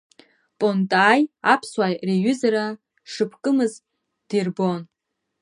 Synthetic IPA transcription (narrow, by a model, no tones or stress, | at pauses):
pʼontʼaːjapʰswajreɥʏzaɾa | ʂɨpʰkʼɨmɨz | d̥irbo̞n